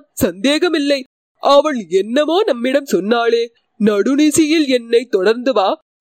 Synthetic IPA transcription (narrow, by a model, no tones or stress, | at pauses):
sɐnd̪eːɣɐmɪlːɐɪ | ʔɐʋɐɭɛnːɐmoːnɐmːɪɽɐmsɔnːaːleː | nɐɽɯnɪsɪjɪlɛnːɐɪt̪ɔɽɐɾnd̪ɯʋaː